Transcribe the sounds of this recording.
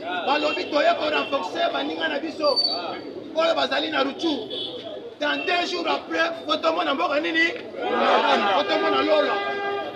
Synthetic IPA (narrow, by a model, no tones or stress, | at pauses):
balobitojekonam̩fɔksebaniŋanabiso | kolobazalinaɾutu | nadeʒuɾapʁɛkotomɔnambɔkanini | naaotomɔnalolo